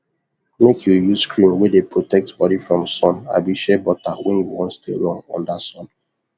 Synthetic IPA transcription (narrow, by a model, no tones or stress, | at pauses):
mekʰjujusskɹĩnwɛdepɹotɛk̚tbɔdifɹɔ̃msɔ̃na̰biʃɛbɔtawɛ̃njuwɔ̃nstḛɹɔ̃nɔ̰̃ndasɔ̃n